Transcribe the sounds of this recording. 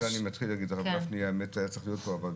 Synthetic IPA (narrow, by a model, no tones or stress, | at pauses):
animatχilhaɡidaʁavɡafniaemetajat͡saχlijot̚poaval